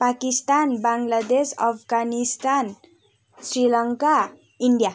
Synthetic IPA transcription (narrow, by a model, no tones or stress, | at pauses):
pakist̪anbaŋɡlad̪esʌpʰɡanist̪an | srilʌŋka | iɳɖija